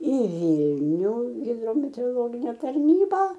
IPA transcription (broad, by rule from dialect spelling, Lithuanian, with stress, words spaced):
iː ˈʋʲiːlʲnʲʊ ɣʲɪdroːmʲɛtʲɛoːroːˈlˠoːɡʲɪnʲɛ tɐrʲˈnʲiːbɐ